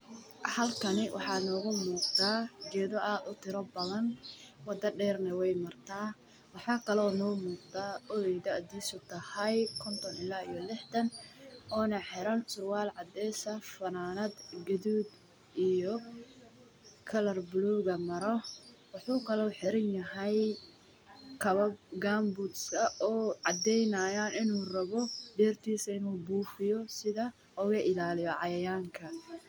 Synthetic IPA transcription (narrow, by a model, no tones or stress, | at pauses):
hɐlkʰɐnɪwʔɑ̰ħɑːnɔːɣʊmuːqt̪aːɡɛːðɔʔaːd̪ʊt̪ʰɪɾɔbɐðɐnwɑd̪ɐɖɛːrnɐwɛjmɐrt̪ʰaː | wɑħɑːkʰɐlɔːnɔːmuːq̚d̪aːɔlɛjd̪ɐʔd̪iːsʊt̪ʰɐhɐjkʰɔnt̪ʰɔnɪlaːijɔlɪħt̪ɐnɔːnɐħɪɾɐnt͡ʃʊrwaːlʕɑd̪ɛːsɐfɐnaːnɐd̪ɡɐðuːd̪ | ijɔ | kʰɐlɐrblɔːɣɐmɐɾɔwɑħuːkʰɐlɔuħɪɾɪnjɐɦɐj | kʰɐβɐb̚ɡaːmbuːd̪skɐʔɔːʕɑd̪ɛjnaːjaːnɪnuːrɐβɔɖɛːrt̪ʰiːsɐɪnuːbuːfɪjɔsɪðɐ | ɔɣɐʔɪlaːlɪjɔʕɑjɐjaːŋkʰɐ